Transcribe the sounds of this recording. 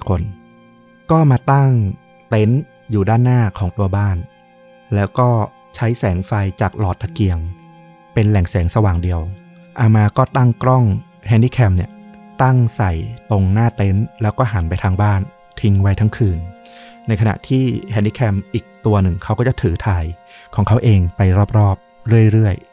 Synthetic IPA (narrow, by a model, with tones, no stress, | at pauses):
kʰo˩˦n | kɔː˥˩maː˧t̪a˥˩ŋ | t̪e˦˥n | juː˨˩daː˥˩nːaː˥˩kʰɔː˩˦ŋt̪u˧ɐbaː˥˩n | lɛː˦˥wkɔː˥˩ | t͡ɕʰa˦˥jsɛː˩˦ŋfa˧jt͡ɕaː˨˩k̚lɔː˨˩t̪ːa˧ki˧əŋ | pe˧nlɛ˨˩ŋsɛː˩˦ŋsa˧waː˨˩ŋdi˧əw | ʔaː˧maː˧kɔː˥˩t̪a˥˩ŋkɾɔ˥˩ŋ | hɛ˧ndiː˥˩kʰɛː˧mni˥˩ɐt̪a˥˩ŋsa˨˩jt̪o˧ŋnaː˥˩t̪e˦˥nlɛː˦˥wkɔː˥˩ɦa˩˦npa˧jt̪ʰaː˧ŋbaː˥˩n | t̪ʰi˧ŋwa˦˥jt̪ʰa˦˥ŋkʰɯː˧nːa˧jkʰa˧na̰˨˩ʔt̪ʰiː˥˩hɛː˧ndiː˥˩kʰɛ˧mʔiː˨˩k̚t̪u˧ɐnɯ˨˩ŋkʰa˦˥wkɔː˥˩t͡ɕa˨˩t̪ʰɯː˩˦t̪ʰaː˧j | kʰɔː˩˦ŋkʰa˦˥wʔeː˧ŋpa˧jɾɔː˥˩p̚ɾɔː˥˩p̚ | ɾɯ˥˩əjɾɯ˥˩əj